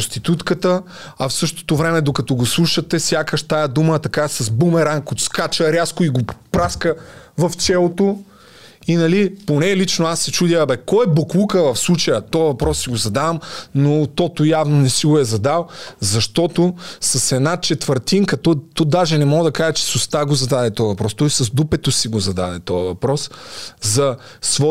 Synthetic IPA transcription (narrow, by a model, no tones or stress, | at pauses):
ost̪it̪ut̪kət̪ə | ɐfsɤʃt̪o̥t̪ovɾɛmɛd̪okɐt̪ɔɡoslˠuʃɐt̪ɛsʲjakəʃt̪ajɐd̪umət̪ɐkasɐzbumɛɾankot̪skat͡ʃəɾʲaskoiɡopɾaskəvɐft͡ʃɛlˠot̪o | inɐliponɛlit͡ʃnoasːɛt͡ʃud̪ʲəbɛkɔɛboklˠukəvɐfslˠut͡ʃɐjət̪ɔɐvɐpɾɔssiɡozɐd̪avɐmnot̪ɔt̪ojavnonɛsiɡoɛzɐd̪alˠzɐʃt̪ɔt̪osɐsɛd̪nat͡ʃɛt̪vəɾt̪inkɐt̪ɔt̪ɔd̪aʒɛnɛmɔɡəd̪ɐkaʒɛt͡ʃɛ̥sʊst̪aɡozɐd̪ad̪ɛt̪ɔjəvɐpɾɔst̪ɔjsɐzd̪upɛt̪osiɡozɐd̪a̰d̪ɛ̰t̪ɔjɐvɐpɾɔszɐ | svɔ